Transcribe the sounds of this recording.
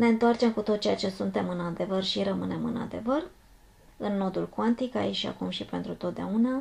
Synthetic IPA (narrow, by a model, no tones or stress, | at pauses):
ne̞ɨnt̪oart͡ʃe̞mkut̪o̞t̪̚t͡ʃejat͡ʃe̞sunt̪e̞mɨnad̪e̞vərʃiɾəmɨne̞mɨna̰d̪e̞vər | ɨnːo̞d̪ulkwant̪ikait͡ʃʃa̰kumʃipe̞nt̪ɾut̪ot̪d̪eauna